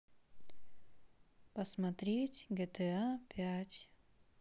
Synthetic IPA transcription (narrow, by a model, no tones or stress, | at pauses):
pɐsmɐt̪ɾʲetʲɡʲɛt̪ɛapʲatʲ